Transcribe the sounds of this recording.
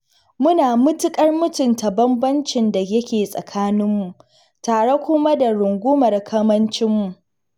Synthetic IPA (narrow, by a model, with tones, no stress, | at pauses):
mʊ˦naː˨mʊ˦tʊ˦kʼɐ˦rmʊ˦tʊ˨nta˨bɐ˦mbɐ˦nt͡ʃɪ˨nda˨jɐ˦kʲeː˨sʼɐ̰˨kʰaː˦nɪ˦mːu˨ʔ | taː˨ɽe˦kʷʊ˦ma˦da˨ɽʊ˨ŋɡʷʊ˦mɐ˨rkʰɐ˦mɐ˦nt͡ʃɪ˦mːu˨ʔ